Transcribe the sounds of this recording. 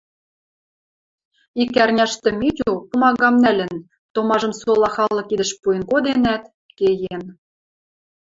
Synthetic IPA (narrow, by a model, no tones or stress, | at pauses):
ikærnʲæʃt̪ɘ̆mit̪ʲupumɑɣɑmnælʲɘ̆n | t̪omɑʒɤ̆msolɑxɑlˠːɤ̆kid̪ə̆ʃpujə̆nkod̪enæt̪ | kejem